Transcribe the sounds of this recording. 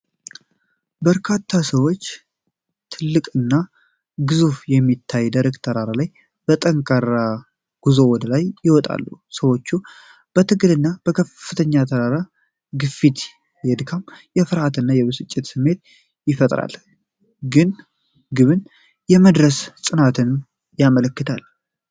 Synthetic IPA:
bəɾkʰat̪ʰːasəwo̞t͡ʃː | t̪ʰɨlːɨkʼɨnːa | ɡɨzufjɛmːit̪ʰːajd̪aɾekt̪ʰəɾaɾalaj | b̥ət̪ʼəŋkʼaɾa | ɡ̥uzowɔd̪əlajjɪwɔt̪ʼa̰lːṵsəwo̞t͡ʃːu | b̥ət̪ʰɨɡɨlɨnːab̥əkʰəfːɨt̪ʰəɲːat̪ʰəɾaɾa | ɡɨfit̪ | jɛd̪kʰamjɛfɨɾhat̪ɨnːajɛβɨsɨt͡ʃʼːɪt̪sɨmːe̞t̪̚ | jɪfət̪ʼɾa̰l | ɡɨn | ɡɨβɨn | jɛməd̪ɾəssʼɨnat̪ʰɨn | jamələkːɨt̪ʰal

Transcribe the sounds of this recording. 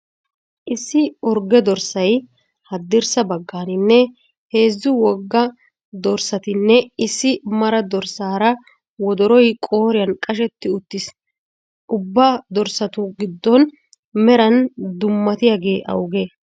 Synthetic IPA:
ʔɪsːɪɔɾɡɛd̪ɔɾsɐj | hɐd̪ːɪɾsɐbɐɡːaːnɪnːɛ | he̞ːzːʊwɔɡːɐ | d̪ɔɾsɐt̪ɪnːɛɪsːɪmɐɾɐd̪ɔɾsaːɾɐ | wɔd̪ɔɾɔjkʼoːɾɪjɐnkʼɐʃ̬ɛt̪ːɪʊt̪ːɪs | ʊbːɐd̪ɔɾsɐt̪ʊɡɪd̪ːɔn | mɛɾɐnd̪ʊmːɐt̪ɪjaːɡe̞ːʔɐ̰wɡe

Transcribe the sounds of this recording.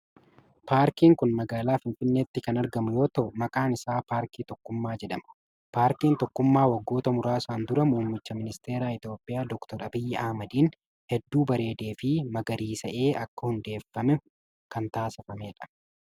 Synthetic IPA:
paːɾkiːŋkʊnmɐɡaːlaːfɪnfɪnːeːt̪ːɪkɐnɐɾɡɐmʊjo̞ːt̪ɐʔʊmɐkʼaːnɪsaːpaːɾkiːt̪ɔkːʊmːaːd͡ʒɛᶑɐmɐ̥ | paːɾkiːnt̪ɔkːʊmːaːwɐɡːo̞ːt̪ɐmʊɾaːɪsaːnd̪ʊɾɐmuːmːɪt͡ʃːɐmɪnɪst̪e̞ːɾaːɪt̪jo̞ːpʼːɪjaːd̪ɔkt̪ɔɾɐbɪjːɛʔɐhmɐd̪iːn | hɛd̪ːuːbɐɾe̞ːd̪e̞ːfɪmɐɡɐɾiːsɐʔe̞ːɐkːɐhʊnd̪e̞ːfːɐmɛ | kɐnt̪aːsɪfɐmeːᶑɐ̥

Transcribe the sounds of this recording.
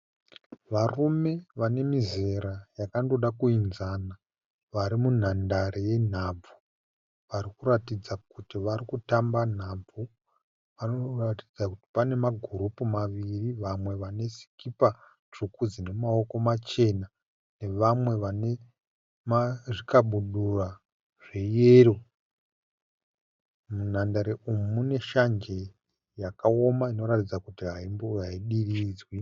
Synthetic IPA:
ʋarume̞ʋane̞mize̞ɾajakando̞ɗakuinzana | ʋaɾimun̤andaɾeje̞n̤ab͡vu | ʋaɾikuɾatid͡zakutiʋarikutamban̤aːb͡vu | ʋanoratid͡zakuti̥pane̞maɡʱuɾupumaʋiriʋamwe̞ʋane̞si̥kipa | t͡ʂukud͡zinemao̞ko̞mat͡ʃe̞na | ne̞ʋamwe̞ʋane̞ | maʐikaɓuɗura | ʐ̥e̞jeɾo̞ | mun̤andaɾeʔumumune̞ʃand͡ʒe̞ | jakao̞maino̞ɾatid͡zakutiɦaimbuɦaiɗirid͡zwi

